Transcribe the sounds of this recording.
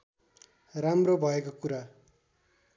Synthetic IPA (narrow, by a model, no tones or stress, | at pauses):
ramrobʱʌekokuɾa